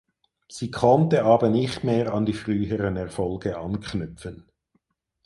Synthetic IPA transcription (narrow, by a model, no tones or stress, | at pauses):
z̥iːkʰɔntəʔaːbənɪχtmeːʁɑndiːfʁyːɦəʁənɛʁfɔlɡəʔɑnkʰnʏfən